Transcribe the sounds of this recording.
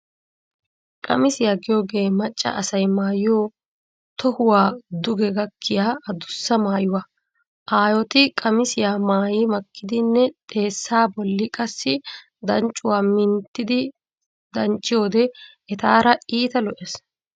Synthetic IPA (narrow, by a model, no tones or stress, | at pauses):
kʼɐmɪsɪjaːɡɪjo̞ːɡe̞ːmɐt͡ʃʼːɐ̰ʔɐsɐjmaːjɪjoː | t̪ɔhʊwaːd̪ʊɡɛɡɐkʰːɪjaːɐd̪ʊsːɐmaːjʊwaː | ʔaːjɔt̪ɪkʼɐmɪsɪjaːmaːjɪmɐkʰːɪd̪ɪnːɛt̪ʼe̞ːsːaːbɔlːɪkʼɐsːɪ | d̪ɐnt͡ʃʼːʊwaːmɪnt̪ːɪd̪ɪ | d̪ɐnt͡ʃʼːɪjo̞ːd̪ɛ | ɛt̪aːɾɐiːt̪ɐlɔʔes